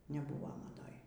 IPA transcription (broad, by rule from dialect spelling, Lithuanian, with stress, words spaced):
nʲɛˈbʊʋoː mɐˈdoːj